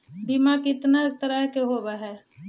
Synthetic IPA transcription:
bimakɪt̪nat̪əɾəɦkeɦobaɦɛː

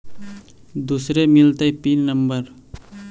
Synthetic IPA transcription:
d̪usɾemɪlt̪ajpinnəmbəɾ

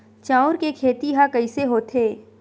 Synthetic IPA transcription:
t͡ʃaːʊɾkekʰeːt̪iɦakɐiseɦoːt̪ʰeː

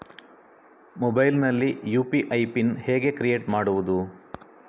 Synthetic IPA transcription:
mɔbɐjlnɐlːijuːpiʔɐjpinheːɡe̞kɾije̞ːʈmaːɽuʋud̪u

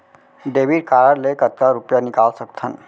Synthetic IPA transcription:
ɖeʋiɽkaɾaɽlekət̪̚kaɾupjanikalsəkt̪ʰən

